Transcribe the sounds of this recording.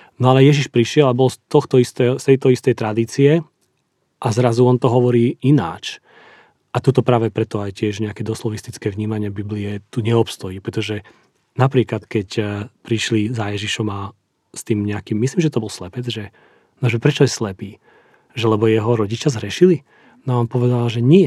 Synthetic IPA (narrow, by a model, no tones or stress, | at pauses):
nɔalɛjɛʒiʃpɾiʃɪɛlabɔlst̪ɔxt̪ɔist̪ɛst̪ɛjt̪ɔist̪ɛjt̪ɾad̪iːt͡siɛ | ʔazɾazuɔnt̪ɔɦɔʋɔɾiːina̰ːt͡ʃ | ʔat̪ut̪ɔpɾaːʋɛpɾɛt̪ɔajcɪɛʒɲɛakɛd̪ɔslɔʋist̪it͡skɛːʋɲiːmaɲɪɛbibliɛt̪uɲɛɔpst̪ɔjipɾɛt̪ɔʒɛ | napɾiːklat̪kɛcpɾiʃlizajɛʒiʃɔma | st̪iːmɲɛakiːmːisliːmʒɛt̪ɔbɔlslɛpɛd͡zʒɛ | nɔʒɛpɾɛt͡ʃɔjɛslɛpiː | ʒɛlɛbɔjɛɦɔɾɔɟit͡ʃazɦɾɛʃili | naɔmpɔʋɛd̪alaʒɛɲɪɛ